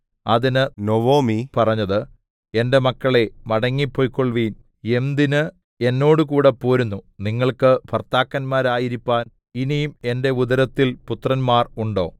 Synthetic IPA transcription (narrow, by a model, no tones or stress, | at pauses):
ɐðinɨnoʋoːmipɐrɐɲːɐðɨ | e̞nde̞mɐkːɐɭe̞mɐɽɐŋːipːoːjkːoɭʋiːn | e̞md̪inɨ | e̞nːo̞ːɽɨkuːɽepːoːɾunːuniŋːɐɭkɨbʱɐrt̪aːkːɐnmaːɾaːjiɾipːaːn | inijume̞nde̞uðɐɾɐt̪ːilput̪rɐnmaːruɳɖo̞ː